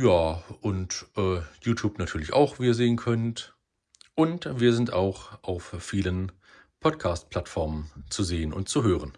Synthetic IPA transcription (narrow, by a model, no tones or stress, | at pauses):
jaːʔʊntʔɛːjuːtʰjuːpnatʰyːɐlɪça̰ʊxv̥iːɐzeːənkʰœnt | ʔʊntviːɐzɪntaʊxʔaʊfːiːlən | pʰɔtkʰaːst̚pl̥atfɔɐmənt͡suzeːənʊ̰ntt͡suɦøːʁ̞ən